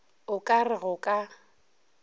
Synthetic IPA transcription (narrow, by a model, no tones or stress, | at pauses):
ʊkʼarɪɣʊkʼa